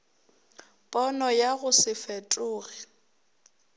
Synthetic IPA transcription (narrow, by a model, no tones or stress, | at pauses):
pʼɔnɔjaɣʊsɪfɛtʼʊːɣɛ